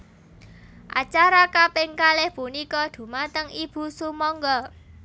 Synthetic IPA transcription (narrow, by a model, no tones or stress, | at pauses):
ʔa̰t͡ʃaɾakapɪŋkalɪhpunikɔd̪̥ṳmat̪əŋib̥ṳsumɔŋɡɔ